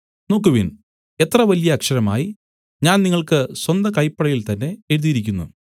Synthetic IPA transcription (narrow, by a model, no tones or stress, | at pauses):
noːkːuʋin | e̞t̪rɐʋɐlijɐːkʂɐɾɐma̰ːji | ɲaːnniŋːɐɭkɨswɐnd̪ɐkɐjpːɐɽɐjilt̪ɐnːe̞eɻuðijiɾikʲːunːṵ